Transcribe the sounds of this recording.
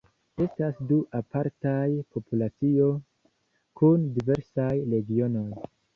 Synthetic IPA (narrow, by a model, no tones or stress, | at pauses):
e̞stasduʔapʰaɾtajpʰo̞pulat͡sio̞ | kundive̞ɾsajɾe̞ɡio̞no̞j